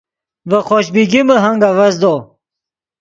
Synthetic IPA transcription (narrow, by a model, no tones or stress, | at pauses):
vəχoɕbiɡiməɦaŋɡawazd̪o